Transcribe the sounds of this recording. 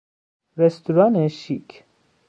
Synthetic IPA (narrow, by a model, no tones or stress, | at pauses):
rɛst̪uɾɑnɛʃikʰ